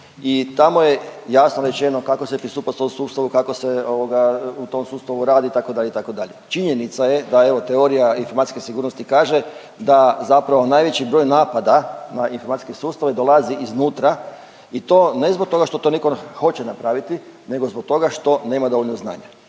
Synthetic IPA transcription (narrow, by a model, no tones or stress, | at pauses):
it̪amoje̞jasnoɾe̞t͡ʃe̞no̞kakosepɾist̪uːpast̪omsuːst̪aʋukakoseoʋoɡaut̪o̞msuːst̪aʋuɾaːd̪iit̪akod̪aʎeit̪ako̞d̪aʎet͡ʃiɲe̞nit̪saje̞d̪ae̞ʋo̞t̪eo̞ɾijainfomat̪i̥skesiɡuːɾnost̪ikaːʒe̞ | d̪azapɾaʋo̞naːjʋe̞t͡ɕibɾo̞ːjnaːpad̪anainfoɾmat̪iskesuːst̪aʋed̪o̞lˠaziʔiznuːt̪ɾa | it̪o̞ne̞zbok̚t̪o̞ɡaʃt̪o̞t̪o̞nikoxo̞t͡ɕenapɾaʋit̪ine̞ɡozbok̚t̪o̞ɡaʃt̪o̞neːmad̪o̞ʋo̞ʎʲnozna̰ːɲa